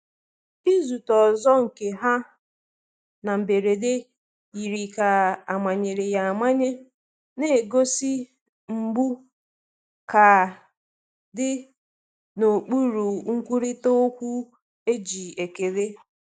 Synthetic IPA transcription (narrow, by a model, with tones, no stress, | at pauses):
i˦zu˨tɔ˨zɔ˦ŋ̩˨ke˨ɦa˦ | na˨m̩˨be˨ɾe˨de˦ | i˨ɾi˨ka˨a˨ma˨ɲe˨ɾe˨ja˨a˨ma˦ɲe˦ | ne˦˨ɡo˦si˦ | ŋ͡m̩˨ɡ͡bu˦ | ka˨ | dɪ˦ | no˨k͡pu˦ɾu˨ŋ̩˦kʷu˦ɾi˦to˦o˦kʷu˦ | e˦d͡ʒi˨e˨ke˨ɾe˦